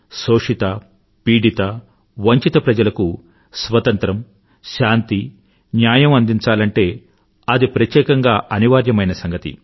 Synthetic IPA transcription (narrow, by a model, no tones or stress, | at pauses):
soːʂit̪ɐ | piːɖit̪ɐ | ʋɐɲt͡ʃit̪ɐpɾɐd͡ʒɐlɐku | sʋɐt̪ɐnt̪ɾɐm | ʃaːnt̪i | njaːjɐmɐnd̪iɲt͡ʃaːlɐɳʈe̞ː | ɐd̪ipɾɐt̪jɛːkɐŋɡaːʔɐniʋaːɾjɐmɐjnɐsɐŋɡɐt̪ḭ